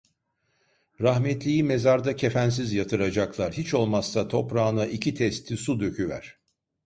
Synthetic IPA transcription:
ɾahmɛt̪lʲijime̞zaɾd̪acʰe̞fæns̬izjat̪ʰɯɾad͡ʒaklˠaɾhit͡ʃo̞lˠmasːat̪ʰo̞pɾaːnaʔicʰit̪ʰɛst̪ʰisud̪ø̞cʰyvæ̰ɾ̝̥

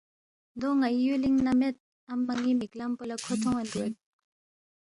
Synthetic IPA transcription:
nd̪oŋajyliŋnamet̪̚ | ampaŋimik̚lampolakʰot̪ʰɔŋand̪u

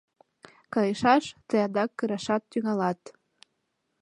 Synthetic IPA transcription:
kɑjeʃɑʃt̪ɤjɑd̪ɑkːəɾɑʃɑt̪ːyŋɑlɑt̪

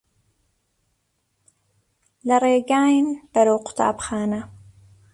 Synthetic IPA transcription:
lɐɾeːɡaːjnb̥ɐɾowqʰʊ̥t̪ʰa̰ːbxaːnɐ

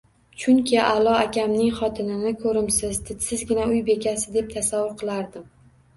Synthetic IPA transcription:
t͡ʃʰʊŋkʲʰɪʔalˠɒakʲʰamnɪŋχɒt̪ʰɪnɪnɪkʰɵɾɪmsɪzd̪ʰɪt̪sɪzɡʲɪnaʊjbe̞kʲasɪd̪ep̚t̪ʰasavːʊɾqʰɨlˠaɾd̪ɪm

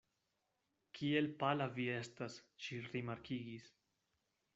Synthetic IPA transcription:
kʰielpalaviestasʃiɾimaɾkʰiɡis

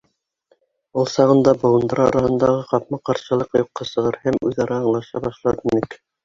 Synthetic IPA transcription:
ulˠsɑʁɤ̆nd̪ɑbŏlˠɤ̆nd̪ɤɾɑ̰ɾɑhɤ̆nd̪ɑʁɤqɑpmɑqɑɾʃɤ̆lˠɤqjuqːɑsɤ̆ʁɤɾhæmʉðɑɾɑːɴlˠɑʃɑbɑʃlˠɑɾinɘk

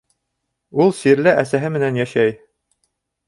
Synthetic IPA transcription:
ulˠsiɾlɘʔæsæɦɘmɘ̆nænjæʃæj

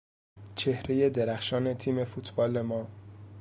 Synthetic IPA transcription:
t͡ʃʰe̞hɾeje̞d̪eɾæxʃɒːne̞t̪ʰiːme̞fut̪ʰbɒːle̞mɒː

